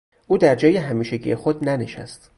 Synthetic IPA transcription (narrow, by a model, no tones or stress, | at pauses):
ʔuːd̪æɾd͡ʒɒːjeɦæmiːʃeɟḭːjexod̪næneʃæ̰st̪